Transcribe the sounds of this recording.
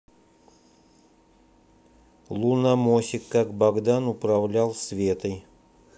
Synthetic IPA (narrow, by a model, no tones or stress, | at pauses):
lˠunamosʲɪkːakbɐɡd̪anʊpɾɐvlʲalˠsvʲet̪ɨj